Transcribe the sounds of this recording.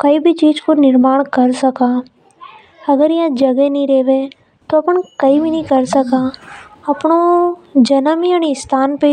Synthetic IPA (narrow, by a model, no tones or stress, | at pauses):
kɐibʱit͡ʃiːd͡ʒkonɪɾmaːɽ̃kɐɾsɐkaː | ɐɡəɾjãd͡ʒɐɡenĩɾeːʋe | t̪oɐpəɳ̃kɐibʱinɐĩkɐɾsɐkaːɐpnod͡ʒɐnəmianist̪ʰaːnpe